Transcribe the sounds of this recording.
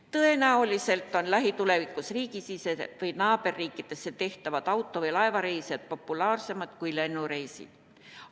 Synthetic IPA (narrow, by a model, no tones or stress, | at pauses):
t̪ɤe̞næolise̞lt̪ːˑo̞nlæɦit̪ule̞vikːˑusriːkisisevɯjnɑːbe̞rːiːkːˑit̪e̞sːet̪e̞ht̪ɑvɑd̪̥ɑwt̪ːˑo̞vɤjlɑevɑɾe̞jselt̪̚po̞pːˑulɑːrse̞mɑt̪kujle̞nːuɾe̞jsḭ̥